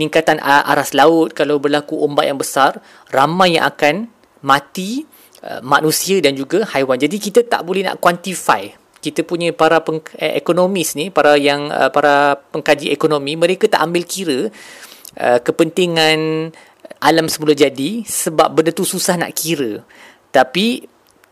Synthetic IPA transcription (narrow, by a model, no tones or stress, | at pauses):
pəniŋkat̪anʔa̰ɾaslaʊt̪̚kalawbərlakuʔombat̪jaŋbəsar | ramãjːã̰ŋʔakan | mãt̪i | ʔə̰manũsiədand͡ʒuɡahajwand͡ʒadikit̪at̪a̰ʔbolɛhna̰ʔkwant̪ifa̰j | kit̪əpuɲə̃paɾapəŋḛkonomisnipaɾajaŋə̰paɾapəŋkad͡ʒiʔekonõmĩmə̃ɾekat̪aʔambɪlkiɾə | ʔə̰kəpənt̪iŋãn | ʔalamsəmulad͡ʒadisəba̰p̚bəndət̪ususahna̰ʔkiɾə | t̪api